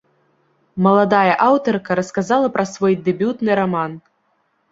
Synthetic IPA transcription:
mɐlˠad̪ajɐʔawt̪ɔrkɐɾɐskazalˠɐpɾɐsvɔjd̪ɛbʲut̪nɨɾaman

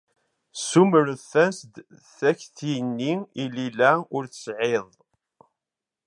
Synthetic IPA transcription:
suməɾðθænsd̪ | θæçθjnːiililæʊɾθə̥sʕeðˤ

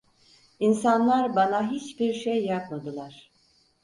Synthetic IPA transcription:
insanlˠaɾbanaɦit͡ʃbiɾʃejːapmad̪ɯlˠaɾ̥

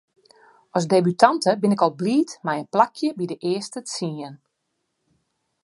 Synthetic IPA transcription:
ɔsdebytʰantəbɪnɪkɔlˠbliːtmɛjənplakʰjəbidəʔɪəstəsiən

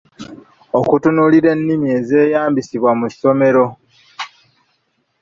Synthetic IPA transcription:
okutunuːliɾe̞nːimie̞ze̞ːjaːmbisiβwamuso̞me̞ɾo̞

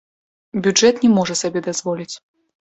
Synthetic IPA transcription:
bʲud͡ʐɛt̪nʲɛmɔʐɐsabʲɛd̪azvɔlʲit͡sʲ

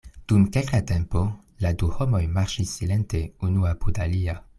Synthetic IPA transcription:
d̥umke̞lkate̞mpo̞ | laduho̞mo̞jmaɾʃisːile̞nte̞unuapudalia

